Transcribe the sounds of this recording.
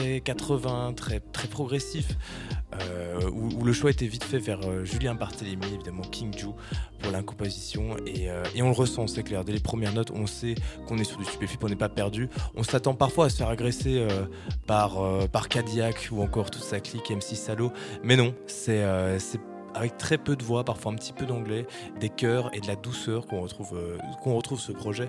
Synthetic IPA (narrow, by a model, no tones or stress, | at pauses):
ɛkat̪χəvɛ̃t̪χɛt̪χɛpχɔɡʁesif | øuːləʃwaet̪evit̪fɛvɛʁøʒyljɛ̃baʁt̪elemievid̪amɑ̃kʲʰiŋd̪u | puʁlɛ̃kɔ̃pozisjɔ̃eøeɔ̃ləʁəsɑ̃sɛklɛʁd̪ɛlepχəmjɛʁnɔt̪ɔ̰̃sɛkɔ̃nɛsyʁd̪yst̪y̥pefipɔ̃nɛpapɛʁd̪yɔ̃sat̪ɑ̃paʁfwaːsə̥fɛʁaɡʁeseø | paʁøpaʁkad̪jakuɑ̃kɔʁt̪u̥t̪saklikɛmsisalomɛnɔ̃ | sɛøsɛ | avɛk̚t̪χɛpød̪əvwapaʁfwaɛ̃pət̪ʰi̥pød̪ɑ̃ɡlɛ | d̪ekʲœʁḛd̪əlad̪usœːʁkɔ̃ʁət̪χuvøkɔ̃ʁət̪χuvsəpχɔʒɛ